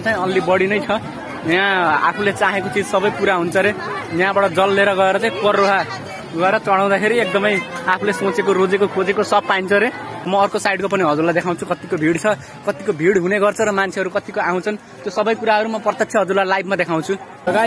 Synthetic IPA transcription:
t͡saĩʌlːibʌɽinʌjt͡sʰʌ | jãa̰pʰulet͡saɦekot͡sid͡zsʌbʌjpuɾaɦunt͡sʰʌɾejãbaɽʌd͡zʌlːeɾʌɡʌeɾʌt͡saĩpʌroɦa | ɡʌeɾʌt͡sʌɽ̃aw̃d̪akʰeɾiek̚d̪ʌmʌjapʰulesõt͡sekoɾod͡zekokʰod͡zekosʌb̚paint͡sʰʌɾemʌːrkosajɽkop̬ʌniɦʌd͡zurlad̪ekʰaw̃t͡sʰukʌt̪ikobʱiɽt͡sʰʌ | kʌt̪ikobʱiɽɦuneɡʌrt͡sʰʌɾʌmant͡sʰeɦʌɾukʌt̪ikoaw̃t͡sʰʌn | t̪josʌbʌjkuɾaɦʌɾumʌprʌt̪jʌtsʰjʌɦʌd͡zurlalajb̚ʱmad̪ekʰaw̃t͡sʰudʌɡa

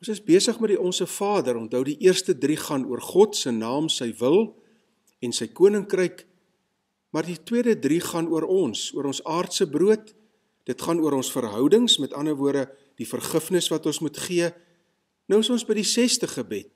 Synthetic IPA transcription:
ɔ̃nsəsbiəsəχmɛt̚diɔnsəfɑːdəɾɔntɦœwdiʔiərstədriχɐnuərχɔtsəjnɑːmsəjvəlˠ | ɛnsəjkuənəŋkrəjk | mɑrditwiədədriχɐnuəɾɔnsuəɾɔnsɑːrtsəbruət | d̥ətχɐnuəɾɔnsfərɦœwdəŋsmɛtɐnəvuədə | d̥ifərχəfnəsvɐtɔnsmutχiə | nəwəsɔ̃nsbəjdisɛstəχəbɛt̚

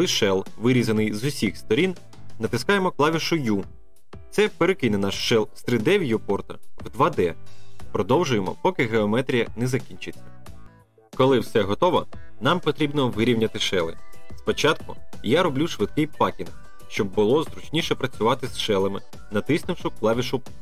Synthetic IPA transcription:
lˠɪʃɛlˠʋɪɾʲizɐnɪjzʊsʲixst̪ɔɾʲin | nɐt̪ɪskɑjemɔklˠɑʋʲiʃɔju | t̪sɛpeɾekɪnɛnɑʃʃɛlˠst̪ɾɪd̪ɛʋʲjupɔrt̪ɐ̰wd̪ʋɑd̪ɛpɾɔd̪ɔwʒʊjemɔ̰pɔkɪɦeɔmɛt̪ɾʲijɐnɛzɐkʲinʲt͡ʃɪt͡sʲːɐ̥ | kɔlˠɪwsɛɦɔt̪ɔʋɔnɑmpɔt̪ɾʲibnɔʋɪɾʲiwnʲɐt̪ɪʃɛlˠɪ̰spɔt͡ʃɑt̪̚kʊ̰jaɾɔblʲuʃʋɪd̪̚kɪjpɑkʲin | ʃt͡ʃɔbːʊlˠɔzɾʊt͡ʃnʲiʃɛpɾɐt͡sʲʊʋɑt̪ɪsʃɛlˠɐmɪ̰ | nɐt̪ɪsnɪwʃʊklˠɑʋʲiʃʊ

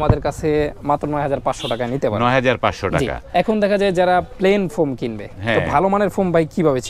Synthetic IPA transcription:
mad̪eɾkat͡ɕʰemat̪ːɾonɔeɦad͡ʑaɾpatʃoʈakanit̪epaɾnɔeɦad͡ʑaɾpa̰ʃoʈa̰d͡ʑika̰ɛkʰond̪ɛkʰad͡ʑaed͡ʑaɾaplenfomkinbeɦɛ̃t̪obʱalomaneɾfombajkibʱabet͡ɕʰ

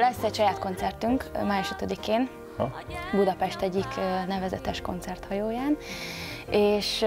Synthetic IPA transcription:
lɛsːɛcʃɒjaːt̪ko̞nt̪sɛrt̪yŋkmaːjuʃøt̪ød̪ikeːn | bud̪ɒpɛʃt̪ɛɟːiknɛvɛzɛ̰t̪ɛʃko̞̰nt̪sɛrt̪hɒjoːjaːn | eːʃ

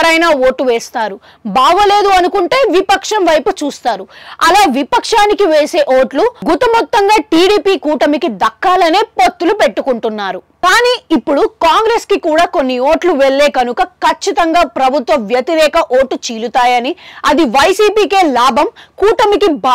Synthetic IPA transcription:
ɐɾɐjnaːoːʈːuʋɛːst̪aːɾu | baːɡɐle̞ːd̪uɐnukuɳʈeːjʋipɐkʂɐmʋɐjput͡ʃuːst̪aːɾuɐlaːʋipɐkʂaːnikiʋeːse̞ːʔoːʈluɡut̪ɐmɔt̪ːɐŋɡaːʈiːɽiːpiːkuːʈɐmikid̪ɐkːaːlɐneːpo̞t̪ːulupeʈːukuɳʈunːaːɾukaːniːipːuɽukaːŋɡɾe̞ːskikuːɽaːkonːio̞ːʈluʋeɭːeːkɐnukɐkɐt͡ʃːit̪ɐŋɡaːpɾɐbʱut̪ʋɐʋjɐt̪iɾɛːkɐʔoːʈːut͡ʃiːlut̪aːjɐniɐd̪iʋɐjsiːpiːke̞ːlaːbʱɐmkuːʈɐmikiba

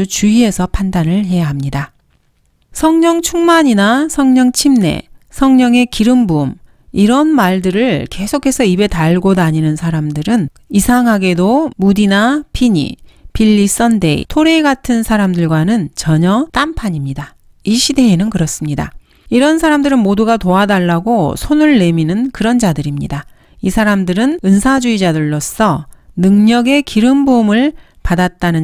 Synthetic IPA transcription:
ut͡ɕuie̞sʰʌpʰandanɯɭɦe̞jaɦamɲida | sʰʌŋɲʌŋt͡ɕʰuŋmaɲinasʰʌŋɲʌŋt͡ɕʰimne̞̰sʰʌŋɲʌŋe̞kiɾɯmbum | iɾʌnmaɭdɯɾɯɭke̞sʰokʰe̞sʰʌibe̞taɭɡodaɲinɯnsʰaɾamdɯɾɯn | isʰaŋɦaɡe̞domudinapʰiɲḭpiʎːis͈ʌnde̞̰ḭtʰoɾeɡatʰɯnsʰaɾamdɯɭɡwanɯnt͡ɕʌɲʌt͈ampʰaɲimɲida | iɕʰide̞ːnɯnkɯɾʌs͈ɯmɲida̰ | iɾʌns̬ʰaɾamdɯɾɯnmoduɡatoadaɭːaɡosʰonɯɭːe̞minɯnkɯɾʌnd͡ʑadɯɾimɲḭda | isʰaɾamdɯɾɯnɯnsʰad͡ʑuid͡ʑadɯɭːos͈ʰʌnɯŋɲʌɡe̞kiɾɯmbomɯɭ | padat̚t͈anɯ

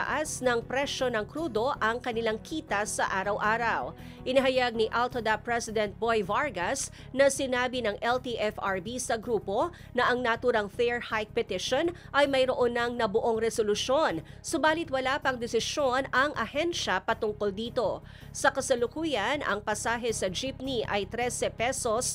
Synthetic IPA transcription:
ʔasnɐŋpɾɛʃo̞nɐŋkɾuːd̪o̞ʔɐŋkɐnɪlaŋkʰiːt̪ɐsɐʔaːɾɐwʔaːɾɐw | ʔɪnɐɦɐjaɡ̚niʔalt̪ɐd̪ɐpɹɛsɪd̪ɛnt̪̚bojvaɹɡɐs | nɐsɪnaːbinɐŋʔɛlt̪iʔɛfaɹbisɐɡɾuːpo̞ | nɐʔɐŋnɐʔt̪uːɾɐŋfɛɹhajk̚pɛt̪ɪʃonʔɐjmɐjɾoʔonːɐŋnɐbʊʔoŋɾɛsolʊʃo̞nsobaːlɪt̪̚wɐlaːpɐŋd̪ɛsɪso̞nɐŋʔɐhɛnʃɐpɐt̪ʊŋkold̪iːt̪o̞ | sɐkɐsɐlʊkuːjɐnʔɐ̰ŋpɐsaːɦɛsɐd͡ʒipniʔɐjt̪ɾɛsɛpɛso̞s

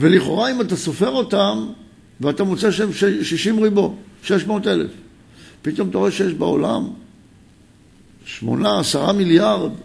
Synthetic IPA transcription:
veliχo̞̰ʁaimataso̞fe̞ʁo̞tam | veatamot͡seʃmʃeʃiʃimʁibo̞ʃe̞ʃmo̞ːte̞lḛf | pito̞mt̪aʁoeʃejeʃbeo̞̰la̰m | ʃmo̞̰naːsaʁamiljaʁd̪

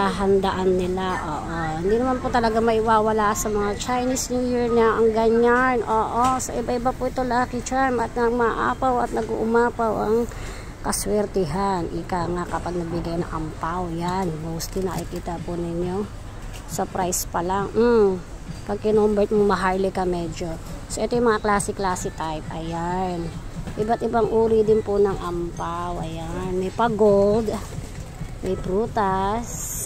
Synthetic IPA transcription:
aɦɐnd̪ɐʔanːɪlaʔoːʔohɪnd̪inɐmanpʊt̪ɐlɐɡaŋmɐʔɪwaːwɐlaːsɐmɐŋat͡ʃajnisnuːjiɹnaʔɐŋɡɐɲanʔoːʔosɐʔɪbaʔɪbapʊɪt̪olɐakɪt͡ʃajmɐt̪̚nɐɡmɐʔa̰ːpawɐ̰t̪nɐɡṵʔʊmaːpawʔɐŋ | kɐswɛɾt̪ɪɦanʔɪ̰kaŋakɐpaɡ̚nɐɡ̚bɪɡajnɐ̰ŋʔɐmpawjanmowst̪linɐkɪkiːt̪ɐpʊnɪɲo̞ | sɐpɾajspɐlaŋm̩ | pɐɡ̚kɪnombɛt̪̚mʊŋmɐɦajlɪkɐmɛd͡ʒo̞soʔɛt̪ojʊmːɐŋaklaːsɪklaːsɪt̪ajp̚ʔɐjanʔɪbat̪̚ɪbaŋʔuːɾɪd̪ɪnpʊnɐŋʔampawʔɐjanmɛjpɐɡold̪ | mɛjpɾuːt̪as

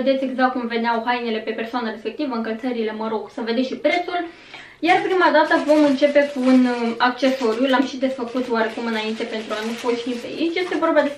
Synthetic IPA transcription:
ed̪e̞t̪sʲeɡzak̚t̪̚kumve̞neawɦajnele̞pe̞pe̞rsoanəɾe̞spe̞k̚t̪ivəɨŋkəlt̪səɾile̞məɾo̞ɡsəve̞d̪eʃipɾe̞t̪sul | jarpɾimad̪at̪əvo̞mɨnt͡ʃe̞pe̞kuːnak̚t͡ʃe̞so̞ɾjulamʃid̪e̞sfəkut̪oaɾe̞kumɨnaint̪e̞pe̞nt̪ɾuanufoʃt̪ipḛit͡ʃje̞st̪e̞vo̞rbad̪e

